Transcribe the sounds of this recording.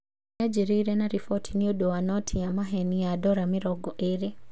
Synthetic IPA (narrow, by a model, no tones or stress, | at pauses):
nad͡ʒiɾiɾɛnaɾifɔtʰiniodɔwanɔtʰijamaɦɛniadɔɾamiɾɔɡɔʔeɾi